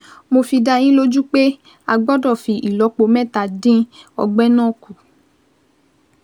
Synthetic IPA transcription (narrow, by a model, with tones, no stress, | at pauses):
mo˧fi˧da˧j̃ĩ˦lo˦d͡ʒu˦k͡pe˦ | a˧ɡ͡bɔ˦dɔ˦˨fi˨ʔi˨lɔ˨˦k͡po˨˧mɛ̃˦˨ta˨dĩ˦ɔ̰˧ɡ͡bɛ˦nãː˦˨ku˨